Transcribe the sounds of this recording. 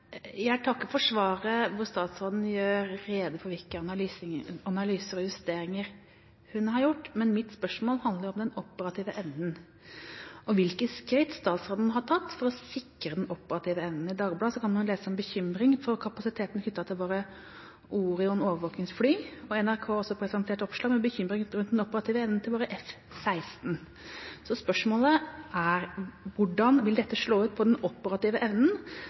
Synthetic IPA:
jææʈʰɑkːəfɔʂʋɑːɾəʋʊɾst̪ɑːt̪sɾoːd̪n̩jøːɾːeːd̪əpʰɔʋɪlkəɑnɑlːɑnɑlyːsəɾɔjʉst̪eːɾɪŋəɾ | hʉnɦɑɾjʊʈːmɛnmɪt̪spœʂmoːlhɑnd̪əɾjɔmd̪ɛnɔpːəɾɑt̪ʰiːʋəʔɛʋnən | ʔɔʋɪlkəskɾɪt̪st̪ɑːt̪sɾoːd̪n̩ɦɑʈʰɑt̪ːfɔɾɔsɪkːɾəd̪ɛnʔɔpːəɾɑt̪ʰiːʋəɛʋnn̩ɪd̪ɑːɡblɑːsɔkʰɑnʉnleːsəɔmbəçʏmɾɪŋfɔɾkʰɑpɑsɪt̪ʰeːt̪n̩hʏt̪ːɑt̪ʰɪlʋoːɾə | ʔuːɾɪɔnoːʋəɾʋoːknɪŋsflyːɔɛnæɾkʰoːɔsːɔpʰɾɛsɑnt̪ʰeːʈɔpʂlɑːɡmɛbəçʏmɾɪŋɾʉnt̪d̪ɛnɔpːəɾɑt̪ʰiːʋəɛʋnnt̪ɪlʋoːɾəʔɛf | sæɪst̪n̩ | sɔspœʂmoːləæɾʋʊɖɑnʋɪld̪ɛt̪ːəʂɭoːʉːt̪̚pʰɔd̪ɛnɔpːəɾɑt̪iːʋəʔɛʋnən̩

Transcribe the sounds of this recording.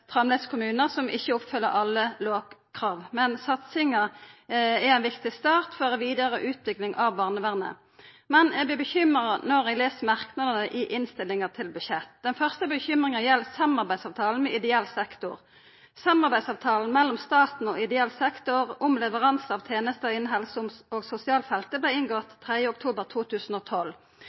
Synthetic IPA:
fʁɑmled̪skʰʊmʉːnəʁsɔmʔɪçəɔpfʏlːə̰ɾɑlːəloːɡkʰʁɑːʋmɛnsɑt̪sɪŋə | ɛæɪnʋɪkt̪ɪst̪ɑːʁt̪fɔʁəʋiːd̪əʁəʔʉːt̪ʋɪklɪŋʔɑʋbɑːʁnəʋæʁnə̰ | mɛnɛbɛbəçʏmʁɑnɔʁɛɡleːsəmɑʁknɑd̪ənəʔɪʔɪnst̪ɪlːɪŋəʁt̪ʰɪlbʉʃɛt̪ːd̪̥ɛnfœʁst̪əbəçʏmʁɪŋəjɛlːsɑmɑʁbæɪd̪sɑːʋt̪ʰɑːln̩mɛɪd̪ɛɛlːsɛkt̪ʊ̰ʁ | sɑmɑʁbæɪd̪sɑːʋt̪ʰɑːln̩mɛlːɔmst̪ɑːt̪n̩ɔɪd̪ɛɛlsɛkt̪ʊʁʊmlɛʋəʁɑnsɑːʋt̪ʰeːnəst̪əɔɪnɦɛlsʊmsoːɡsʊsɪɑːlfɛlt̪əblɛɪɪnɡoːt̪t̪ʰːʁɛd̪jəʊk̚t̪ʰuːbəʁt̪ʰuːt̪ʰʉːsn̩oːt̪ʰɔlː

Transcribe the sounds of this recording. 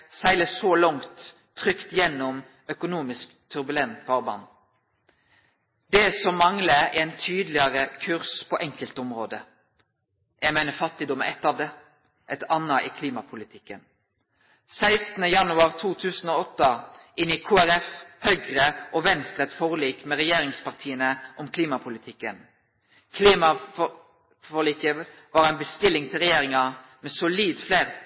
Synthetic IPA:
sæɪləsɔlɔŋt̪ʰː | ʁʏkt̪jɛnːɔm | œkʊnuːmɪsk | t̪ʰːʉʁbʉlɛnt̪bɑːʁbɑ̰n | d̪̥ɛsɔmːɑŋləɛɪnt̪ʰyːd̪lɪəʁəkʰʉʁspʰɔʔɛŋkəlt̪ʊmʁoːd̪ə | jæɡmeɪnəfɑt̪ːɪd̪ɔmə̰ɛt̪ːɑːʋd̪ɛ | ʔɛt̪ɑnːɑʔiːkʰliːmɑpʰʊlɪt̪ʰɪkːən | sæɪst̪nəjɑnʉɑʁt̪ʰuːt̪ʰʉːsən̩oːɔt̪ːɑʔɪnɪkʰuːæɾɛfhœʏɡʁəʔɔʋɛnst̪ʁət̪fɔːʁliːkmɛʁɛjeːʁɪŋspɑʁt̪ʰiːənəʔɔmkʰliːmɑpʰʊlɪt̪ʰɪkːən | kʰliːmɑ | fɔʁliːkə | ʋɑːʁæɪnbəst̪ɪlːɪŋt̪ʰɪlʁɛjeːʁɪŋɑmɛsʊliːd̪fleːʁ

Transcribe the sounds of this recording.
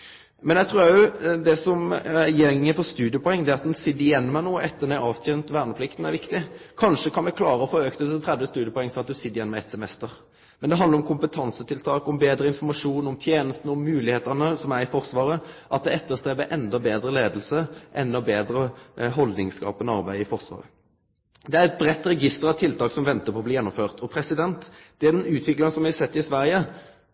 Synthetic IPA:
mɛnɛɡt̪ʰɾuːɾæjʊd̪ɛsɔmæjɛŋːəpʰɔst̪ʉːd̪ɪəpʰɔɛŋːd̪ɛːɑt̪̚d̪ɛnsɪd̪ːɪjɛnːmænoːɛt̪ːəʁnæɪɑːʋt̪ʰeːnt̪ʋæːʁnəpʰlɪkt̪n̩æʁɾʋɪkt̪ɪkʰɑnʂəkʰɑnmɛkʰlɑːɾəɔfoːøːkt̪ət̪t̪ʰɾɛd̪ʋəst̪ʉːd̪jəpʰɔɛŋːsɔɑt̪̚d̪ʉsɪd̪ːɪjɛnːmæɛt̪sɛmɛst̪əɾ | mɛnd̪ɛɦɑnd̪ɾɔmkʰʊmpət̪ʰɑnsət̪ʰɪlt̪ʰɑːkɔmbeːd̪ɾəɪnfɔɾmɑʂuːnɔmt̪ʰjeːnəst̪n̩ɔmːʉːlɪheːt̪ənəsɔmæʁɪfɔʁsʋɑːɾəʔɑt̪̚d̪ɛɛt̪ːəʁst̪ʁeːbəʔɛnd̪ɑbeːd̪ɾəleːd̪əl̩səʔɛnːɔbeːd̪ɾəɦɔld̪nɪŋskɑ̰ːpɛnɔɑʁbæɪɪfɔʁsʋɑ̰ːʁə̰ | d̪ɛæɾɛt̪̚bʁɛt̪ːɾɛɡɪst̪əɾɑʋt̪ʰɪlt̪ɑːksɔmʋɛnt̪əɾpʰɔbliːjɛnːɔmføːʁt̪ʰɔpʰɾɛsɪd̪ɛnt̪d̪̥ɛd̪ɛnʉːt̪ʰʋɪklɑŋsɔmʋɪhɑsɛt̪ːɪsʋæʁjə

